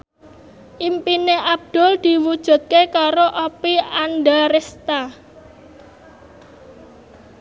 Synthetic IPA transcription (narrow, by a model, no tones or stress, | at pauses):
ʔimpineʔab̚d̪̥ɔ̤ld̪̥i̤wud̥ʒ̥ṳt̪̚kekaɾoʔopianɖaɾest̪a